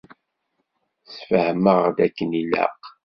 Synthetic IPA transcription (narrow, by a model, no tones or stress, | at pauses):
sfəhməʁd̪ækːənilæ̰q